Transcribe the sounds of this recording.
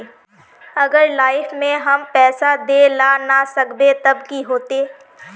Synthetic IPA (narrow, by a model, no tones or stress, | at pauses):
ɐɡəɾlaːɪfmẽɦɐmpɛːsad̪eːlaːnasɐkb̪et̪ɐbkiɦoːt̪eː